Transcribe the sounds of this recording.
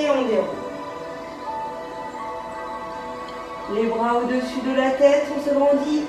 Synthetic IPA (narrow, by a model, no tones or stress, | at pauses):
eɑ̃ɡɛ | lebʁaod̪əsyd̪əlat̪ɛt̪sɔ̃səɡʁɑ̃d̪i